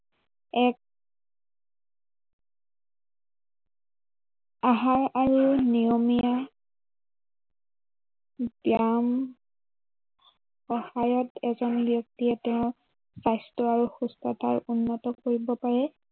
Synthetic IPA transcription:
ɛk̚ | aɦaɹaɹunijomija | b̥jam | xɔhajɔtɛzɔnbjɔk̚tiɛtɛʊ̃ | sajstɔaɹuxustɔta̰ɹunːɔtɔkoɹibɔpaɹɛ

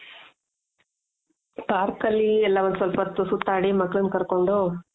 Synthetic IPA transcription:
paːɾkɐlːiɛlːaːʋɐnd̪sɔlpɐt̪ːusut̪ːaːɽimɐkːɐɭunkɐɾkoɳɖu

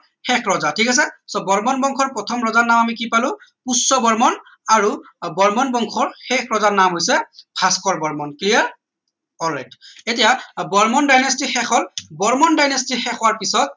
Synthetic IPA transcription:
xɛkʰɹɔzatʰikas̬ɛsɔbɔɹmɔnbɔŋkʰɔɹpɹɔtʰɔmɹɔzanːamamikipalʊ̃pusɔbɔɹmɔn | aɹu | bɔɹmɔnbɔŋkʰɔɹxɛkʰɹɔzanamɦojsɛpʰaskɔɹbɔɹmɔnkliaɹ | ɔlɛjdetijabɔɹmɔndajnɔstixɛxɔlbɔɹmɔndajnɔstixɛxʰɔwaɹpisɔt̚

